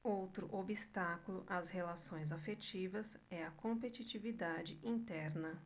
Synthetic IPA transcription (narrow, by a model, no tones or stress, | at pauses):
owt̪ɾʊ̰ʔobist̪akulʊʔɐshelasõj̃zafet͡ʃivɐsɛɐkõpet͡ʃit͡ʃivid̪ad͡ʒɪʔĩnt̪ɛɾnɐ